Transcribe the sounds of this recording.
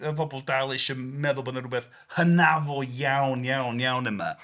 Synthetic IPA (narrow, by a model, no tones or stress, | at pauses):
əpʰɔbɔlˠdalˠɪʃəmɛðʊlˠbɔnəɾubɛθ | hənavɔjawnjawnjawnəma̰